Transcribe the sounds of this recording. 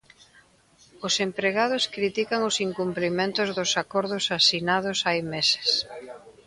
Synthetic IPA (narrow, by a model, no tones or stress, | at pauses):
ʊsempɾeɣað̞ʊskɾit̪ikaŋʊsiŋkumplimẽnt̪ʊzðʊsakɔɾðʊsasinað̞ʊsajmese̥s